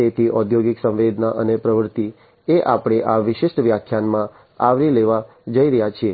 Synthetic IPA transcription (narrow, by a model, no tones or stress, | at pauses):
et̪ʰiʔɔd̪ʱjoɡɪksə̃mʋed̪naʔənepɾəʋəɾt̪i | eʔapɽ̃eʔaʋɪʃɪʃʈʋjakʰjanmã | aʋɾileʋa | d͡ʒəiɾəɦjat͡ʃʰie